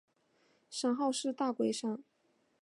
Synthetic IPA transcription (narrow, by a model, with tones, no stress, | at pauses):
ʂɑ˨˥ŋxɑ˥˧ʊʂɻ̩˥˧t̪a˥˩kwe˥ɪʂɑ˥˩ŋ